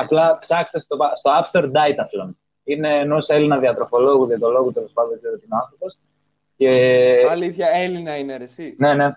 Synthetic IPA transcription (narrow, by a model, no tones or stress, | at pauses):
ɐplɐpsɐkse̥t̪est̪opɐst̪oɐpst̪oɾd̪ɐjt̪ɐfθelon | ine̞ːnoselinɐðiɐt̪ɾo̞fo̞lo̞ɣuðiɐt̪olo̞ɣut̪e̞lo̞spɐnd̪ðɡzseɾot̪iinoɐnθɾo̞po̞s | ce̞ɐliθçɐelinɐineɾesine̞ne̞